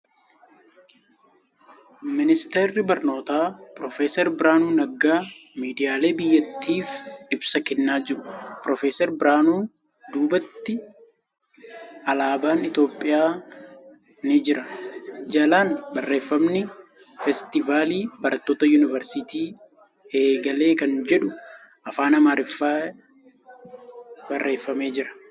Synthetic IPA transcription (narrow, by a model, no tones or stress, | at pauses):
mɪnɪst̪ɛrːɪbɐɾno̞ːt̪aːpɾɔfeːsɛɾbɪɾaːnuːnɐɡaːmiːd̪ɪjaːle̞ːbɪjːɐt̪ːiːfɪbsɐkɛnːaːd͡ʒɪɾʊpɾɔfeːsɛɾbɪɾaːnuː | d̪uːbɐt̪ːɪ | ɐlaːbaːnɪt̪jo̞ːpʼːɪjaː | nɪd͡ʒɪɾɐd͡ʒɐlaːnbɐrːe̞ːfːɐmnɪ | fɛst̪ɪvaːliːbɐɾɐt̪ːoːt̪ɐjuːnɪvɐɾsɪt̪iː | e̞ːɡɐle̞ːkɐnd͡ʒɛᶑʊ | ʔɐfaːnɐmaːɾɪfːaː | bɐrːe̞ːfːɐme̞ːd͡ʒɪɾɐ̥